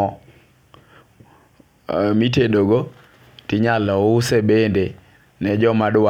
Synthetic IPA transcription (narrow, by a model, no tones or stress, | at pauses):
ɔ | mitedoɡo | tɪɲalɔʊsebende | nɛd͡ʒɔmadwa